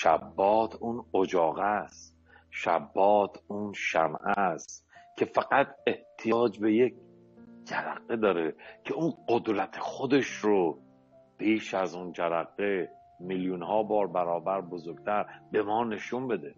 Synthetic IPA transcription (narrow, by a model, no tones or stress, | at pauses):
ʃæ̰bːɒːt̪ʰunod͡ʒɒːɣæst̪ | ʃæ̰bːɒːt̪ʰuːnʃæmʔæst̪kʰe̞fæɡæt̪ʰe̞ht̪ʰijɒːd͡ʒbe̞je̞kʰ | d͡ʒæɾæ̰ɡːed̪ɒːɾekʰe̞unɢod̪ɾæt̪ʰexod̪e̞ʃɾo | pʰiːʃæzund͡ʒæɾæɣe | miljunhɒːbɒːɾbæɾɒːbæɾbozoɾɡt̪ʰæɾbe̞mɒːne̞ʃunbe̞d̪e